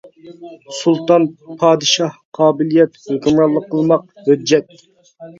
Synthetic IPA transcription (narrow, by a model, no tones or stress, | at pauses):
sulˠt̪ɑnpʰɑːd̪ɨʃɑhqʰɑːbɪlijɛt̪høkʲymɾɑlˠːəqʰːəlˠmɑq̚ | hød͡ʒːɛt̪